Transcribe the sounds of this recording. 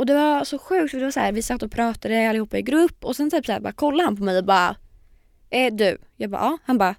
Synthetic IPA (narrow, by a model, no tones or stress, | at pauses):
ɔd̪ɛvasɔɧʉ̟ːkt̪fœɾd̪ɛvasæːɾvɪsat̪ːɔpʰɾɑːt̪ad̪əalːɪhuːpːaɪɡɾɵpːɔsɛnt̪ʰyːpsæːɾbɑ̰ːkʰɔlːahanpʰɔmɛjɔbɑːɾa̰ | ɛd̪ʉ̰jɑːɡbɑ̰ːʔɑːhanbɑ